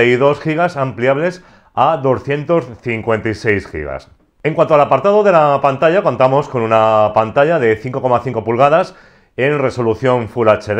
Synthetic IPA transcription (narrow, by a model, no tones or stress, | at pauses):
aiðo̞sxiɣ̞asampliaβle̞s | aðo̞sθje̞nt̪o̞sθiŋkwe̞nt̪ajse̞jsxḭɣa̰s | eŋkwant̪oalapaɾt̪aðo̞ðe̞lapant̪aʝako̞nt̪amo̞sko̞nunapant̪aʎaðe̞θiŋko̞ko̞maθiŋkopulɣaðas | e̞nre̞so̞luθjo̞ɱfulat͡ʃeð